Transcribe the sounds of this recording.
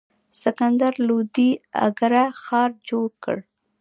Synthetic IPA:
sɪkand̪aɾlod̪ia̰ɡaɾaxɑɾd͡ʒoɽkə̰ɽ

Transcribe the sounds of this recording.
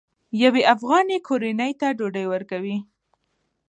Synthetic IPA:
jaweʔafɣɑnekʰoɾinəjt̪aɖoɖəjwəɾkawi

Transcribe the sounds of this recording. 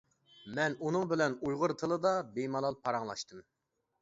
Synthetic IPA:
mɛnunɨŋbɪlɛnujʁʊɾt̪ʰɨlˠɨd̪ɑbejmɑlˠɑlˠpʰɑɾɑŋlˠɑ̰ʃt̪ʰɨm

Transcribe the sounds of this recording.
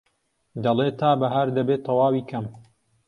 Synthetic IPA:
d̪ɐleːt̪ʰaːbɐɦaɾd̪ɐbeːt̪ʰɐwaːwiːkʰɐm

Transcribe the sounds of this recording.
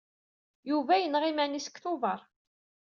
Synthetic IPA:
juvæjənʁimænisə̥kθʊvəɾˤ

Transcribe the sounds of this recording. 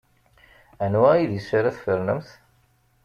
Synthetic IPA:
ænwæiðjəsaɾæθfəɾnəmθ

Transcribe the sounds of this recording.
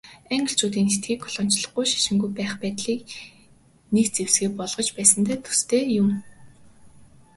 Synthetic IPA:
æŋɡə̆ɬt͡ɕuːt̪̬iːnset̪̚ɡiːkʰːɔ̥ɮɔ̆n̥t͡ɕɮɞ̆χɡujʃḁʃɪ̆ŋɡujpæːχpæːt̪ɮiːk | nekt͡sewsɡeːpɔɮʁ̥ɞ̆t͡ɕpæːsə̆nt̪æːt̪ʰɵ̥st̪ʰeːjʊm

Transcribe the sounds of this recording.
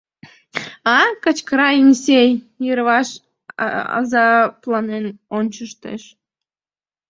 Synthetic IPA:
ɑkət͡ɕkɾɑjinsʲej | jøɾβɑʃ | ɑ̰zɑplˠɑnenonʲt͡ɕəʃt̪ḛʃ

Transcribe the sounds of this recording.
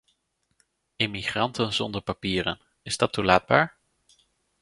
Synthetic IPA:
ɪmiχrɑntənzɔndəɹpapiːɾə̰n | ɪzdɑtulaːd̚baːɹ

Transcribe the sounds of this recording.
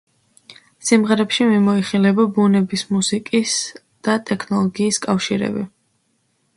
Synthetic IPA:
simʁɛɾɛpʃimimɔiχilɛbɔbunɛbismusikʼis | d̪̥at̪ʼɛkʰnɔlˠɔɡiːskʼafʃiɾɛ̰bḭ

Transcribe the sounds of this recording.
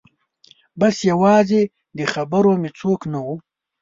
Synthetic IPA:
basjawɑːze | d̪əxabəɾomet͡soːknawu

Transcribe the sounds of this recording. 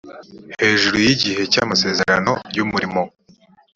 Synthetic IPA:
he̞ːʒuɾujiɟiɦe̞ca̰mase̞ːze̞ɾano̞jumuɾimo̞

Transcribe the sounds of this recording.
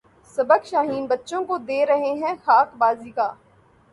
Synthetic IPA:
sɐbəkʃaːɦiːnbɐtːʃõkod̪eːɾɐɦeɦɛ̃xaːkbaːziːkaː

